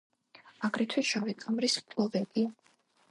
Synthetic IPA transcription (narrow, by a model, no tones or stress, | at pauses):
aɡɾɛt̪ʰwisʃavitʼamɾismtʼlˠɔvɛbia